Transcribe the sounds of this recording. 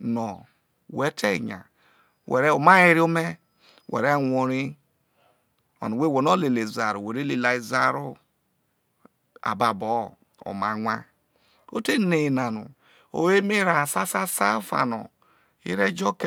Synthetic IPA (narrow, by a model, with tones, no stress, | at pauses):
nɔ˨ | we˦tʰe˦˨ɲa̰˨ | wḛ˨ɾe˦o˨ma˦i˦ɾi˦o˦me˦ | wʔḛ˨ɾe˦˨ŋʷo˨ɾi˦ | o̰˨nu˨we˦˨we˨no˦le˨le˨za˨ɾu˨we˨ɾe˦li˨la˨i˨za˦ɾo˦ | a̰˨ba˨bɔ˨˦ | o̰˨ma˨ŋʷa˦ | o̰˦te˦ne˨na˨nṵ˨ | o̰˨we˦me˦ɾa˨sa˦sa˦sa˦fa̰˨no̰˨ | ḭ˦ɾe˦d͡ʒo˦k